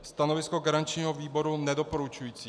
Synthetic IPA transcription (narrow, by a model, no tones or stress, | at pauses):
st̪anovɪskoɡaɾant͡ʃɲiːɦoviːbo̞ɾunɛdo̞poɾut͡ʃujiːt͡siː